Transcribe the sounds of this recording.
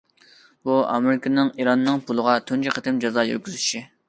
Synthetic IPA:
buɑ̰mɪɾɪkʲʰɪnɪŋiɾɑnːɨŋpʰulˠəʁɑt̪ʰynt͡ʃʰɪqʰət̪ɪmd͡ʒɑzɑjø̰ɾkʲʰyzyʃi

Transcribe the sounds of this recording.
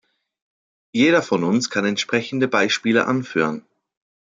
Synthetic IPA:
jeːdɐfɔnʊnskʰanɛntʃpʁ̥ɛçn̩dəbaɪʃpiːlə̰ʔa̰nfy̰ːʁən

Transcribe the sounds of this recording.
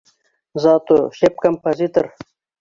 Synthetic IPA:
zɑːt̪oɕep̚kɐmpɐzit̪ɐɾ

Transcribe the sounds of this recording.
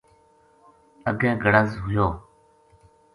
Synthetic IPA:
əɡẽːɡəɽəzɦʊjoː

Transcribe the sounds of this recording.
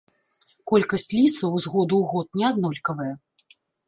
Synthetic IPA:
kɔlʲkɐsʲt͡sʲlʲisɐwzɣɔd̪uwɣɔt̪̚nʲɛad̪nɔlʲkɐvɐjɐ

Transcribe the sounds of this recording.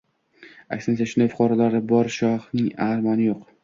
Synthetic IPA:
a̰kʲsɪnsaʃʊnajfʊ̥qʰɑɾalaɾɪbɒɾʃɒhnɪŋahɾmanɪjoq

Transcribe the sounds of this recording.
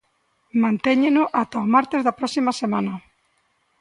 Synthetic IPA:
mãnt̪eɲenʊʔat̪aomaɾt̪ezðɐpɾɔsimɐsemanɐ

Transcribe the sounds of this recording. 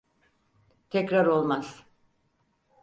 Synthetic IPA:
t̪ʰɛcɾaɾo̞lˠmaz̥

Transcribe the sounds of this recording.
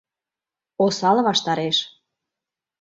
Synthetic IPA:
osɑlɤβɑʃt̪ɑɾeʃ

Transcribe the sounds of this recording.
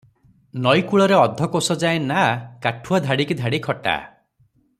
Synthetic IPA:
nɔjkuɭɔɾeɔd̪ʱɔkosɔd͡ʒaenakaʈʰuad̪ʱaɽikid̪ʱaɽikʰɔʈa̰

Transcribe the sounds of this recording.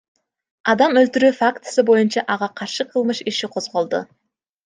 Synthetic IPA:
ɑd̪ɑmɵlt̪yɾʉːfakt̪sɨbo̞junt͡ʃɑʔɑʁɑqʰɑɾʃɯqʰɯlˠmɯʃiʃiqʰo̞zʁo̞lˠd̪ʊ̰

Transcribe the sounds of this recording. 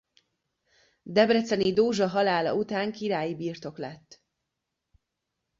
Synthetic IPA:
d̪ɛbrɛt̪sɛnid̪oːʒɒɦɒlaːlɒ̰ut̪aːŋkiɾaːjibiːrt̪o̞klɛt̪ː

